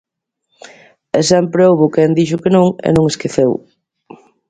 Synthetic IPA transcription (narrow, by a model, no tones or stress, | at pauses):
ɛsɛmpɾeowβʊkɛnd̪iʃʊkenõŋḛnõŋeskeθew